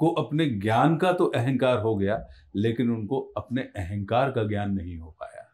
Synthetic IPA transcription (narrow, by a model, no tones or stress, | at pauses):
koʔɐpneɡjaːnkat̪oʔɛɦɛ̃nkaːɾɦoɡɐjaː | leːkɪnʊnkoɐpneʔɛɦɛ̃ŋkaːɾkaɡjaːnːɐɦĩɦopa̰ːja̰ː